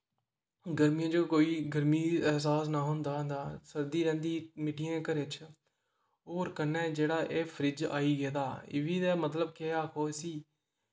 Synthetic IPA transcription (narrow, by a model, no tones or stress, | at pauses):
ɡəɾmiːãːd͡ʒoːkoːiːɡəɾmiːɛːsaːsnaːɦʊnd̪aːɦnd̪aːsəɾd̪iːɾɛ̃ːnd̪iːmɪʈiːãːkəɾɪt͡ʃʰ | oːɾkənːɛːd͡ʒeːɽaːʔeːpʰəɾɪd͡ʒa̰ːiːɡɛːd̪aːɪ̰ʋiːd̪ɛːmət̪ləb̚keːaːkʰoːsiː